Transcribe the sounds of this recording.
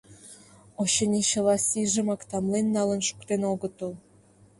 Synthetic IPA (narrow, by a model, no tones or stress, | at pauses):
oɕɤnʲiɕə̆lɑsiʒə̆mɑkt̪ɑmlenːɑlə̆nʃu̥kt̪enoɣə̆t̪əl